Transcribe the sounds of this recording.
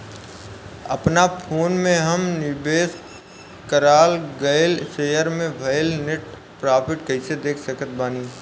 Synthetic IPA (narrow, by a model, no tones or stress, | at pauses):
ɐ̰pnapʰoːnmẽɦɐmnɪbeːs | kəɾaːlɡəɪlseːjəɾmẽʋʱɐjlnɪʈ̚ | pɾaːpʰɪʈkɐɪsed̪eːkʰsəkət̪̚baːniː